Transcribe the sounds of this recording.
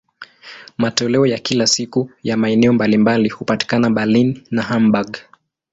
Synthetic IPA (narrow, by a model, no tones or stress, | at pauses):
matɔlɛɔjakilasikujamaɛnɛɔmbalimbalihupati̥kanaɓalinːaɦambaɡ